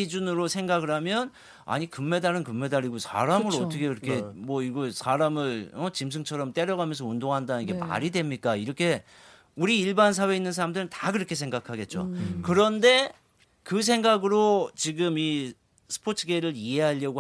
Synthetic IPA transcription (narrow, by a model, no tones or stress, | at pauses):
id͡ʑunɯɾosʰe̞ŋɡaɡɯɭɦamjʌn | a̰ɲikɯmːe̞daɾɯnkɯmːe̞daɾiɡosʰa̰ɾamɯɾʌtt͈ʰʌkʰekiɾʌkʰe̞mwʌiɡʌsʰaɾamɯɭʌt͡ɕims̬ʰɯŋt͡ɕʰʌɾʌmt͈e̞ɾjʌɡamjʌns̬ʰʌundoŋɦandanɯnɡe̞ma̰ɾidwe̞mɲik͈aiɾʌkʰe̞ | uɾiːɭbans̬ʰawe̞inːɯnsʰaɾamdɯɾɯntaɡɯɾʌkʰe̞sʰe̞ŋɡakʰaɡe̞t̚t͡ɕ͈o̰kɯɾʌnde̞ | kɯs̬ʰe̞ŋɡaɡɯɾot͡ɕiɡɯmi | sʰɯ̥pʰotʰɯɡeɾɯɾie̞ɦaʎːʌɡo